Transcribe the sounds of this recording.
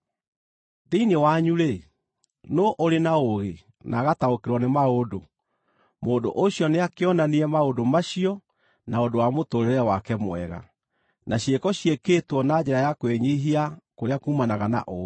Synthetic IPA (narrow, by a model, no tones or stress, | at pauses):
ðeinewaɲuɾe | noʔoɾenaoɣe | nʔaɣataokeɾwɔnemaodo | moːdo̰ʔoɕiɔneakeɔnaniɛmaodomaɕiɔ | naodowamotoɾeɾɛwakɛmwɛ̰ɣa̰ | nʔaɕiekɔɕijekeːtwɔnad͡ʑɛɾajakweɲiɦiakoɾeakumanaɣana̰ʔo